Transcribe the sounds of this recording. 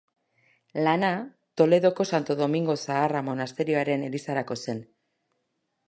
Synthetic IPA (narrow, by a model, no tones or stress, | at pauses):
lana | t̪o̞le̞ðo̞ko̞sant̪o̞ðo̞miŋɡo̞saːramo̞nast̪e̞ɾio̞aɾe̞ne̞lisaɾako̞se̞n